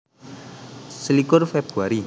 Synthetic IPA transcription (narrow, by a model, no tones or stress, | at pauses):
səlikʊrfɛb̥uaɾid